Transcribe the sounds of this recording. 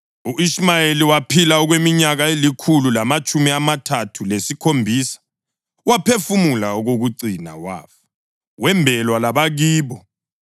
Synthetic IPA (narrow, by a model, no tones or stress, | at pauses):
uʔismajeliwapʰilaɔɣwemiɲaɣaelikʰululamat͡ʃʼumiamatʰatʰulesikʰombʱiːsḁ | wapʰefumulauɣoɣuǀina̰wa̰ːfɔ̥ | wɛmbʱɛlwalaβaɣiːβɔ